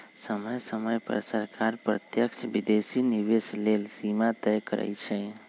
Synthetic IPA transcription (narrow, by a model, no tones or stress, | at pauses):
səməjsəməjpə̰ɾsəɾkʰaɾpɾə̰t̪jəkt͡ʃʰbid̪esiniʋeslelsimat̪ɛjkəɾɛ̰jt͡ʃʰɛ